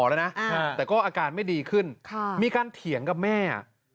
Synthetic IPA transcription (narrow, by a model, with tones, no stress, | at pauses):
lɤ˧jna˦˥ʔʔt̪ɛː˨˩kɔː˥˩ʔaː˧kaː˧nma˥˩jdiː˧kʰɯ˥˩nkʰa˥˩miː˧kaː˧nt̪ʰi˩˦əŋka˨˩p̚mɛː˥˩a̰˨˩ʔ